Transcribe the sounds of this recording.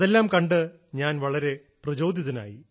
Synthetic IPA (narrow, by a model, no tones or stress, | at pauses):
ðelːaːmkɐɳɖɨ | ɲaːnʋɐɭɐɾe̞ | prɐd͡ʑo̞ːd̪ʱjiðɐna̰ːji